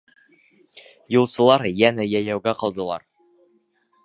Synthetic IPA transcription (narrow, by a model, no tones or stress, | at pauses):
julˠsɤ̆lˠɑɾjænæjæjæwɡæqɑ̆lˠd̪ɤ̆lˠɑ̰ɾ